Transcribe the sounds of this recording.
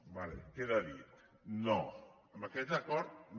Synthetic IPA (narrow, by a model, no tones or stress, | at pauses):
balḛkeðaðit̪ | no | maket̪akoɾt̪n